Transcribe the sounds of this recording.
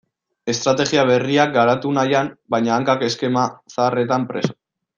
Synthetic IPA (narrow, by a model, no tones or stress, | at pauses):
e̞st̪ɾat̪e̞ɣiaβ̞e̞riak̚ɡaɾat̪unajambajɲaːŋkake̞ske̞masare̞t̪ampɾe̞so̥